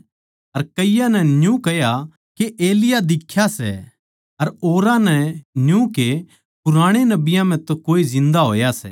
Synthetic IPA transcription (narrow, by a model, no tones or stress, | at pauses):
ɐɾkɐɪjanɛnjũkɐja | keʔeːlɪjad̪ɪkʰːjasɛ̰ | ɐɾoːɾãnɛnjũke | pʊɾaːɽ̃enɐbɪjãm̤ɛ̃t̪okoːizɪ̃nd̪aɦo̰ːjasɛ̰